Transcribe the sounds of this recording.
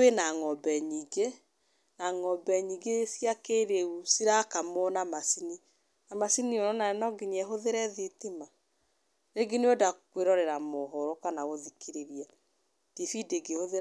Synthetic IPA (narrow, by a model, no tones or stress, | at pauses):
wenaŋɔbɛɲiːɡe | naŋɔbɛɲiːɡesiakeɾeusiɾakamɔnamasini | namasiniɔnɔnaɛnɔɡiɲɛɦoðeɾɛðetema | ɾeɡeneodakweɾɔɾeɾamɔɦɔɾɔkanaɣoðikeɾeɾia | d̥efideɡehoðe